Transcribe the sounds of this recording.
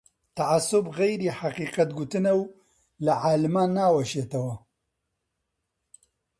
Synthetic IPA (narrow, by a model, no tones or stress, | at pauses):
t̪ɐʕasʊbɣejɾiħaqiːqɐt̪ɡut̪ɨnɐw | lɐʕaːlmaːnaːwɐʃeːt̪ɐwɐ